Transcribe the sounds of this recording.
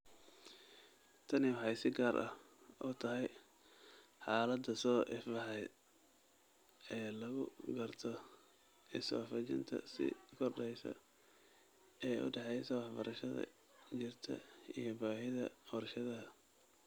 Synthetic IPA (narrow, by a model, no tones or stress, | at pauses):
t̪ʰɐnɪwɑħɑjsɪɡaːɾʔɐ̰h | ʔʊt̪ʰɐɦɛj | ħɑːlɐd̪ɐsɔːʔɪfɐħɛj | ɛːlɐɣʊɡɐrt̪ʰɔ | ɛsɔ̰ːfɐt͡ʃɪ̰nt̪ʰɐ̰sɪ̰kʰɔrɖɛjsɐ̰ | ɛːʔʊ̰ɖɛħɛjsɐwɑħbɐɾʔɐʃɐðɐ̰ | t͡ʃɪrt̪ʰɐ̰ḭjɔbaːɦɪðɐ̰ɔrʃɐðɐɦɐ